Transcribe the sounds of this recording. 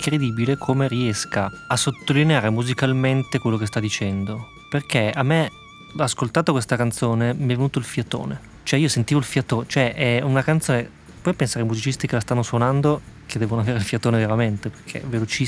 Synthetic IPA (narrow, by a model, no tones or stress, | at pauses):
kɾed̪iːbilekʰomeriɛskaasot̪ːolineaːɾemuzikalment̪ekwelːokes̬t̪ad̪ːit͡ʃɛnd̪o | perkʰeamːe | askolt̪aːt̪okwest̪akant̪soːnemiɛvenuːt̪oilfjat̪o̰ːne | t͡ʃoɛiːosent̪iːvoilfjat̪oːnt͡ʃoɛʔɛunakant̪soːne | pwɔjpensaːɾeajmuzit͡ʃist̪ikelast̪anːoswonand̪okʰed̪ɛːvonoaveːɾeilfjat̪oːneveɾament̪eperkʰḛvelot͡ʃi